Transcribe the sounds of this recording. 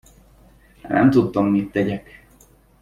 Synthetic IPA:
nɛ̰mt̪ut̪ːomːit̪ːɛɟɛk

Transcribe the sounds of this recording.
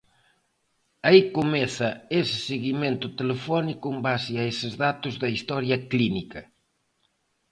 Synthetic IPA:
aikomɛθɐesɪ̥seɣimẽnt̪ʊt̪elefɔnikʊembaseaesɪzðat̪ʊzðɐist̪ɔɾjɐklinikɐ

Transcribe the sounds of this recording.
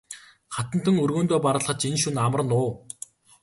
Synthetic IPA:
χat̪ə̆n̥t̪ʰɘ̆ŋɵrɣoːnt̪oːpaɾə̆ɮχə̆t͡ɕinʃunamə̆r̆nʊː

